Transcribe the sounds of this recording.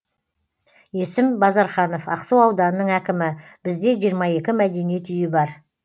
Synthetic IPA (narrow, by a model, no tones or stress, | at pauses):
je̞sɪmbɑzɑɾχɑno̞fɑqsuwɑwd̪ɑnənəɴækʲɪmɪ | b̥ɪzd̪e̞ʒijəɾmɑje̞kʲɪmæd̪e̞nije̞t̪ʏjɪbɑɾ